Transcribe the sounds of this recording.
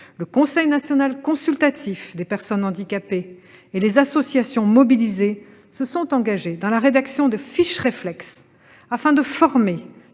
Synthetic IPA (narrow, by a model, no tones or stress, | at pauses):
ləkɔ̃sɛjnasjɔnalkɔ̃sylt̪at̪ʰifd̪epɛʁsɔnɑ̃d̪ikapeː | lezasɔsjasjɔ̃mɔbilize | səsɔ̃t̪ɑ̃ɡaʒed̪ɑ̃laʁed̪aksjɔ̃d̪əfiʃʁeflɛks | afɛ̃d̪əfɔʁme